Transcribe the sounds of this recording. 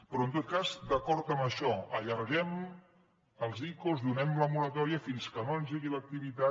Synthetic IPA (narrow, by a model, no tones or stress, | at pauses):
pɾɔənt̪ot̪̚kazd̪əkɔɾt̪əmbəʃɔəʎəɾɣɛm | əlˠzikuzðunɛmləmuɾət̪ɔɾiəfinskənoənziɣilək̚t̪iβit̪a